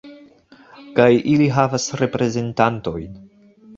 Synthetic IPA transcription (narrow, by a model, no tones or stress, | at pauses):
kajʔiliɦavasɾe̞pɾe̞ze̞ntanto̞jn